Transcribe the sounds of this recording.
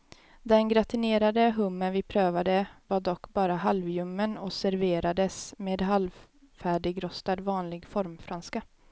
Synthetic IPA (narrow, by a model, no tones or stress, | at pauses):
d̪ɛnɡɾat̪ɪneːɾad̪əɦɵmːənvɪpʰɾøːvad̪əvaɖɔkːbɑːɾaɦalvjɵmːənɔsæɾveːɾad̪əsmeːd̪ɦalv | fæːɖɪɡɾɔst̪ad̪vɑːnlɪɡfɔɾmfɾanska